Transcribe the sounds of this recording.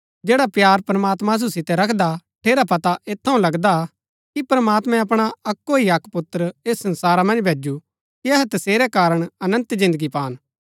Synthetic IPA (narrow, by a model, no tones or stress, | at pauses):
d͡ʒeːɽapjaːɾpɾɐmaːt̪mãs̬usɪt̪ɛɾɐkʰd̪aʈʰeːɾapɐt̪aʔeːt̪ʰːɐũlɐɡd̪a | kipɾɐmaːt̪mɛ̃ɐpɽ̃aɐkːoiɐkpʊt̪ːɾeːsːɐ̃nsaːɾamɐ̃nd͡ʒbʱeːd͡ʒu | kiɐɦɛt̪ɐseːɾɛkaːɾəɽ̃ɐnə̃nt̪zɪ̃nd̪əɡipaːn